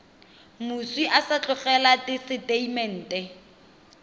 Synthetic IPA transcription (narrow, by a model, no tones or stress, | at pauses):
mʊswiʔasat͡ɬʼʊχɛlatɪsɪteimɛn̩ːtɛ